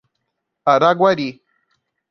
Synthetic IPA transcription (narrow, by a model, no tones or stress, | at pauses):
aɾaɡwaɾi